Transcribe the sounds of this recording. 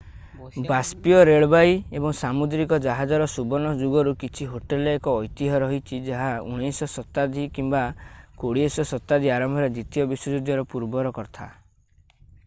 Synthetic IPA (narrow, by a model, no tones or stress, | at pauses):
baspiɔɾeɭbajebɔŋsamud̪ɾikɔd͡ʒaɦad͡ʒɔɾɔsubɔnɔd͡ʒuɡɔɾukit͡ʃʰiɦoʈelekɔːjt̪iɦɔɾɔɦit͡ʃʰid͡ʒaɦaṵɽ̃isɔsɔt̪ːad̪ʱikimbakoɽiesɔsɔt̪ːad̪ʱiaɾɔmbʱɔɾed̪it̪ijɔbiswɔd͡ʒud̪jɔɾɔpuɾbɔɾɔkɔɾt̪ʰa̰